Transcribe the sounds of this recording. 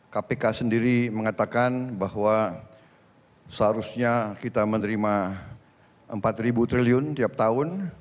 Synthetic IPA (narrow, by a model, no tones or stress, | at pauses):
kapekasəndiɾiməŋat̪akanbahwa | səɦaɾusɲakit̪amənəɾima | ʔəmpat̪ribut̪ɾiliʊnt̪iap̚t̪aʊn